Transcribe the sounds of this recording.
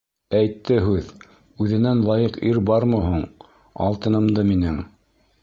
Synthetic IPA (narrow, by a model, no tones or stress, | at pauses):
æjt̪ːɘɦʉð | ʉðɘ̆nænlˠɑjɤqiɾbɑɾmɤɦuɴ | ɑ̰lˠt̪ɤ̆nɤ̆md̪ɤminɘŋ